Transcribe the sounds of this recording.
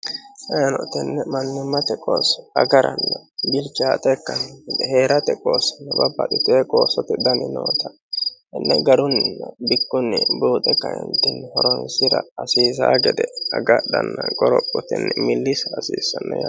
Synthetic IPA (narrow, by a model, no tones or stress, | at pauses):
ɐjɐnɔt̪ɪnːɛmɐnːɪmːɐt̪ɛkʼoːsɐ̰ɡɐɾɐ̰nːɐbɪlt͡ʃaːt̪ʼɛkːɐnd̪ɛhe̞ːɾɐt̪ɛkʼoːsɐ̥nːɐbɐbːɐd̪ɪt̪eːkʼoːsɔt̪ɪd̪ɐnɪno̰ːt̪ɐ | ɪnːɛɡɐɾʊnːɪnːɐbɪkːʊnːɪbuːt̪ʼɛkːɐjɛnt̪ːɪnhɔɾɔnsɪɾɐ̰ːsiːs̬a̰ːɡɛd̪ɛɐɡɐd̪ɐnːɐɡɔɾɔpʼːɔt̪ɪnːɛmɪlːɪsːsiːsɐnːɐja